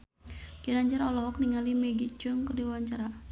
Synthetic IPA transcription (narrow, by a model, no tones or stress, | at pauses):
kənaɲd͡ʒaɾɔlɔk̚niŋalimɛɡit͡ʃʊŋkərdiwaɲt͡ʃaɾa